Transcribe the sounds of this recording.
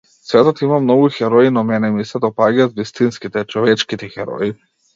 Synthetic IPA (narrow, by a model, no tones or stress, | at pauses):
svɛt̪ɔt̪imamnɔɡuxɛɾɔinɔmɛnɛmisɛd̪ɔpaɡiat̪vist̪inskit̪ɛt͡ʃɔvɛt͡ʃkit̪ɛxɛɾɔ̰i